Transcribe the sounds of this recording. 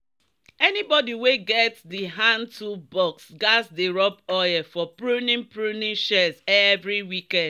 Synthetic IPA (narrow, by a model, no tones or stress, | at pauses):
ɛnibɔdiweɡɛtsdiɦãntʰubɔksɡasdeɹɔpɔjɛfɔpɹunĩnpɹunĩnʃɛzɛvɹiwikɛ̃nd